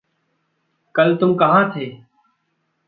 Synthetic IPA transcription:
kəlt̪ʊmkəɦãːt̪ʰeː

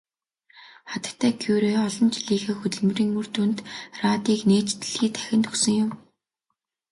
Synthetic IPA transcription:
χat̪ə̥̆kt̪ʰːæːɡʰjuːɾeːɔɮɞ̆nt͡ɕiɮiːxeːxut̪ɘ̆ɮmɵ̆riːŋmɵr̥t̪uːnt̪raːt̪iːkneːt͡ɕt̪ɘ̆ɮxiːt̪ʰæ̥xʲɪ̆nt̪ʰɵsɵ̆ŋjʊm

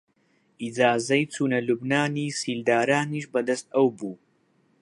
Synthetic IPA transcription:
ʔid͡zaːzɐjt͡sʰuːnɐlubnaːniːsiːld̪aːɾaːniːʃbɐd̪ɐst̪ɐwbuː

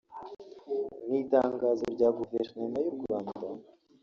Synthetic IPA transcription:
niːtaːŋɡaːzoɾɟaːɡuveɾnomajoɡuɾaːnba

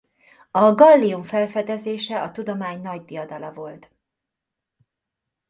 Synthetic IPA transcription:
ɒɡɒlːiuɱfɛlfɛd̪ɛzeːʃɛɒt̪ud̪o̞maːɲnɒɟd̪ijɒd̪ɒlɒvo̞lt̪

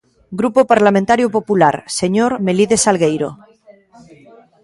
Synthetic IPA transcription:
ɡɾupopaɾlamẽnt̪aɾjopopulaɾseɲoɾmeliðesalɣejɾo̰

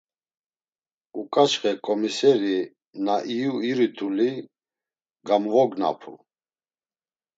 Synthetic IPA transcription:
ukʼat͡ʃχɛkʼɔmisɛɾi | naʔijuiɾit̪ʰuli | ɡamvɔɡna̰pʰṵ

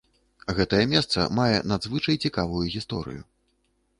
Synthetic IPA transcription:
ɣɛt̪ɐjɛmʲɛst̪sɐ̰majɛ̰nad̪zvɨt͡ʂɐjt͡sʲikavujuɣʲist̪ɔɾɨ̰ju

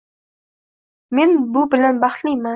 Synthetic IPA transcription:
menbʊbɪlanbɑχt̪lˠijmɑ

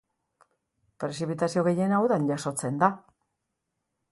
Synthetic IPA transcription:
pɾe̞sipit̪asio̞ɣe̞je̞nawðanʝaso̞t͡se̞nd̪a

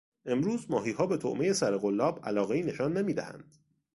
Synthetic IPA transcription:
e̞mɾuːzmɒːɦiːɦɒːbe̞t̪ʰoʔmejesæɾeɣo̞lːɒːbæ̰lɒːɣe̞iːne̞ʃɒːnːemiːd̪æhæ̰nd̪̥

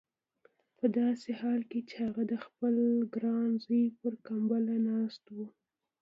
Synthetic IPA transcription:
pəd̪ɑsehɑlket͡ʃehaɣad̪əxpəlɡɾɑnzəjpəɾkambalanɑst̪wu

